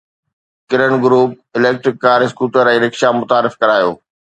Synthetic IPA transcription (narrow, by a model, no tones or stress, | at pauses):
kɪɾəɽ̃ɡʊɾuːp̚ɪleːk̚ʈɾɪkːaːɾɪskuːʈəɾɛ̃ːɾɪkʃamʊt̪aːɾɪfkɐɾaːjo̰ː